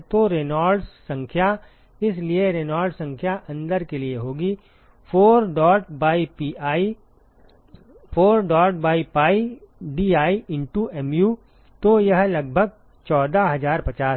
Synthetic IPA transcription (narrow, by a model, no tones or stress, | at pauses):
t̪oɾeːnaːɾɖsɐ̃ŋkʰja | ɪs̬lieɾeːnaːɾɖsɐ̃ŋkʰjaʔɐ̃nd̪əɾkelieɦoːɡi | oːɾɖɔːʈbaːii | fʰoːɾɖɔːʈ̚baːipaːiɖiːaːiɪ̃ɳʈuɛmjuː | t̪ojɐɦlɐɡ̚bʱəɡ̚ | t͡ʃɔːd̪aɦɐzaːɾpɐt͡ʃaːs